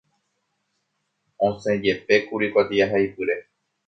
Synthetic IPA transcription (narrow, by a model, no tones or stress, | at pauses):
õsẽd͡ʒe̞pe̞kuɾikʷat̪iaɦaipɨɾe